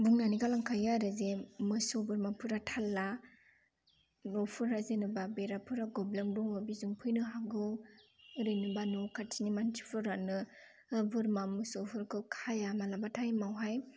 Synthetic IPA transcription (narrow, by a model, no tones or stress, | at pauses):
buŋnaniɡalaŋkʰajaɾɯzemɯsobɯɾmapʰɯɾatʰalːa | nɔpʰɯɾazenɯbabeɾapʰɯɾaɡɔblemdɔŋɔbizuŋpʰɯjnɯɦaɡɯwɯɾɯjnɯbanɔkʰatʰinimantʰi̥pʰɯɾanɯ | ɯbɯɾmamɯsopʰɯɾkʰɯkʰajamalabatʰajmawɦaj